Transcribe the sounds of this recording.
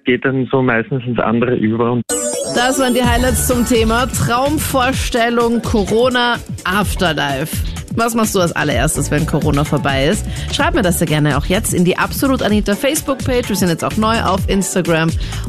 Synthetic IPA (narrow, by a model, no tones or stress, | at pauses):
ɡ̥eːt̚d̥anzoːmaɪstn̩sɪnsʔa̰ndəʁəʔyːbɐʊntd̥asv̥aːɐəndiːɦaɪlaɪtst͡sʊmtʰeːmatʁ̥aʊmfoːɐʃtɛlʊŋkʰoʁoːna | ʔaːftɐlaɪf | vasmaχstd̥uːalsʔa̰lɐʔḛɐstəsv̥ɛnkʰoʁoːnafoːɐbaɪɪstʃʁ̥aɪbmiːɐdasz̥aːɡɛɐnəa̰ʊxjɛt͡stɪndiːʔapz̥oluːtaniːtəɐfɛɪsb̥ʊk̚pʰeːt͡ʃv̥iːzɪnjɛt͡staʊxnɔʏʔa̰ʊfʔɪnstaɡʁam